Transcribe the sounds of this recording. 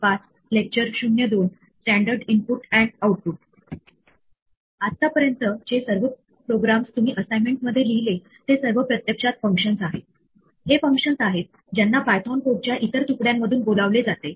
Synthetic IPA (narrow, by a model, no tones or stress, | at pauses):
pat͡s | lek̚t͡ɕəɾɕunjəd̪on | sʈæɳɖəɾɖimpuʈæ̃ɳɖauʈ̚puʈ̚ | at̪ːapəɾjənt̪əd͡ʑesəɾʋə | pɾoɡɾamst̪um̤iːʔəsajmeɳʈ̚məd̪ʱːjeliɦile | t̪esəɾʋəpɾət̪jəkʂat̪̚fə̃ŋkʂənsaɦet̪ | hefə̃ŋkʂənsaɦet̪̚ | d͡ʑjanːabajt̪ʰɔnpoʈ̚t͡ɕjaʔit̪əɾt̪ukɽjamːəd̪ʱuːnbolaʋled͡zat̪e